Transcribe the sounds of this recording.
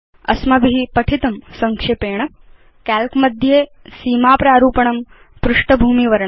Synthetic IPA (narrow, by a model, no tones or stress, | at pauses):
ɐ̰smɐbʱiɦipɐʈʰit̪ɐmsɐŋkʂepeːɳ̃ɐ | kaːlkmɐd̪ʱjeːsiːmaːpɾaːɾuːpɐɳɐm | pɾʊʂʈɐbʱuːmiʋɐɾɳ